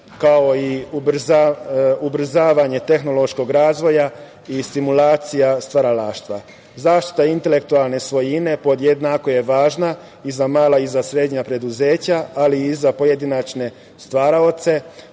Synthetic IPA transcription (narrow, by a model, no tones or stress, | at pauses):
kaoiubɾ̩z | ubɾ̩zaːʋaɲe̞t̪e̞xno̞lˠo̞ʃko̞ɡɾaːzʋo̞ja | ist̪imulaːt̪sijast̪ʋaɾalaːʃt̪ʋa̰ | zaːʃt̪i̥t̪aint̪e̞le̞kt̪ualˠne̞sʋo̞jine̞po̞d̪jed̪nako̞je̞ʋaːʒna | izamaːlaizasɾe̞d̪ɲapɾe̞d̪uze̞ːt͡ɕaaliːzapo̞jed̪inat͡ʃne̞ | st̪ʋaːɾao̞t̪se̞